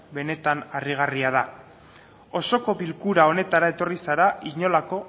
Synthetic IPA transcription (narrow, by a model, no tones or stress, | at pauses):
be̞ne̞t̪anariɣ̞ariaða | o̞so̞ko̞βilkuɾao̞ne̞t̪aɾae̞t̪o̞risaɾaiɲo̞lako̞